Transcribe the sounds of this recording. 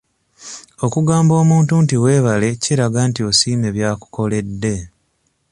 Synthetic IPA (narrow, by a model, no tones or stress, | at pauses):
o̞kuɡaːmbo̞ːmuːntuntiwe̞ːβale̞ciɾaɡaːntio̞siːme̞βjaːku̥ko̞le̞dːe̞